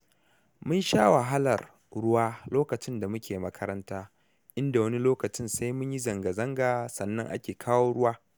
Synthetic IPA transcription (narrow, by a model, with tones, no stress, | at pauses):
mʊ˦nʃaː˦wa˨ɦa˦lɐ˨r | ɽʊ˦waː˦loː˦kɐ˨t͡ʃɪ˦nda˨mʊ˦kʲʰeː˨mɐ˦kʰɐ˦ɾɐ˦ntaː˦ | ʔɪ˦nda˨wɐ˦ni˦loː˦kɐ˨t͡ʃɪ˦nsa˦jmʊ˦ɲji˦zɐ˨ŋɡa˨zɐ˦ŋɡaː˨sɐ˨nːɐ˦ŋʔa̰˦kʲeː˨kʰaː˦woː˦ɽʊ˦waː˦